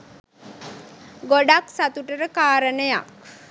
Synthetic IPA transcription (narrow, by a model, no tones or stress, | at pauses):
ɡoɖaksat̪uʈəɾəkaːɾənəja̰k̚